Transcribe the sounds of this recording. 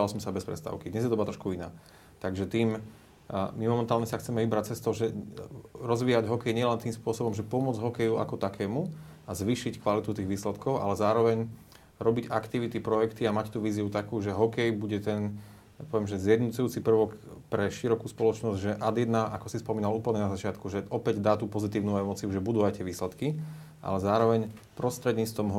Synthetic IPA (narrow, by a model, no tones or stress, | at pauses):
alsɔmsabɛspɾɛ̰st̪a̰ʊkid̪ɲɛzjɛd̪ɔbat̪ɾɔʃkuina̰ː | t̪aɡʒɛt̪iːm | mimɔmɛnt̪aːlɲɛsaxt͡sɛmɛʋibɾac̚t͡sɛst̪ɔʒɛ | ɾɔzʋiːaɟɦɔkɛjɲɪɛlɛnt̪iːmspʊɔsɔbɔmʒɛpɔmʊɔd͡zɦɔkɛjua̰kɔt̪akʰɛːmuazʋiːʃickʋalit̪ut̪iːɣʋiːslɛt̪kɔʊʔa̰lɛzaːɾɔʋɛɲ | ɾɔbiɟakt̪iʋit̪ipɾɔjɛkt̪iamact̪uːʋiːziut̪akuːʒɛɦɔkɛjbuɟɛt̪ɛn | apɔʋɛmʒɛzɪjɛd̪nut͡sujuːt͡sipr̩ʋɔkpɾɛʃiɾɔkuːspɔlɔt͡ʃnɔzɟʒɛʔad̪jɛd̪naʔakɔsispɔmiːnaluːpl̩ɲɛnazat͡ʃɪat̪kuʒɛʔɔpɛɟd̪aːt̪upɔzit̪iːʊnuɛmɔt͡siuʒɛbud̪uat̪ɪɛʋiːslɛt̪ki | ʔa̰lɛzaːɾɔʋɛɲ | pɾɔst̪ɾɛd̪ɲiːt͡sst̪ʋɔmɦ